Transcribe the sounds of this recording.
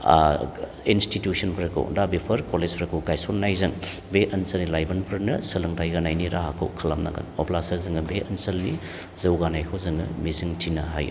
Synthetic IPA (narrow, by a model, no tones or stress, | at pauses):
institjusɐnpʰɾɐkʰo̰dabipʰɐɾkolezpʰɾɐkʰowɡajsonːajzɐŋ | beʔɐnsɐlnilajbɐnpʰɐɾnɐsɐlɯŋtʰajɡanajniɾaɦakʰo̰wkʰɐlamna̰ɡɐ̰nopʰlasɐɾzɯŋɐbeɐnsɐlni | zɐwɡanajkʰowzɯŋɯmiziŋtʰinɐɦa̰jṵ